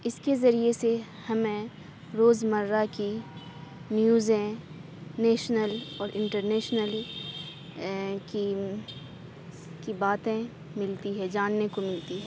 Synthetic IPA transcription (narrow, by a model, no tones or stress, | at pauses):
ɪskezɐɾiese | hɐmẽ | ɾoːzmɐɾːaki | njuːzɛ̃ | neːʃnəlɔːɾʔɪ̃ɳʈəɾneːʃnəl | ki | kibaːt̪ẽ | mɪlt̪iɦɛd͡ʒaːnːekomɪlt̪iɦɛː